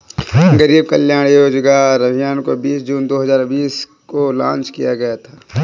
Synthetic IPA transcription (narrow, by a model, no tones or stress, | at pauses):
ɡəɾiːb̚kəljaːɽ̃joːd͡ʒɡaɾɐbʱɪjaːnkobiːsd͡ʒuːnd̪oːɦɐzaːɾbiːs | kolã̰ːnt͡ʃkijaɡɐjat̪ʰḁː